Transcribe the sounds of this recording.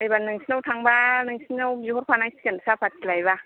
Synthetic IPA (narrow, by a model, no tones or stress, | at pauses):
ajbanːɯŋsnawt̪ʰaŋbanɯŋsnɯwjihot̚pʰanajskansapʰat̪̚kilajba